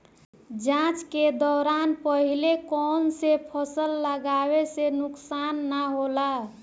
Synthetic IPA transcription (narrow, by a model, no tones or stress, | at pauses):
d͡ʒãt͡ʃked̪ɔɾanpəɦilekɔnsepʰəsəlːəɡaβesenuksanːaɦola